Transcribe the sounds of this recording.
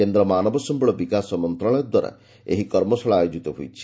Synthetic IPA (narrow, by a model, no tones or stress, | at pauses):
end̪ɾɔmanɔbɔsɔmbɔɭɔbikasɔmɔnt̪ɾɔɭ̃ɔjɔd̪waɾa̰ | ḛɦikɔɾmɔsɔɭaajod͡ʒit̪ɔɦujt͡ʃʰi̥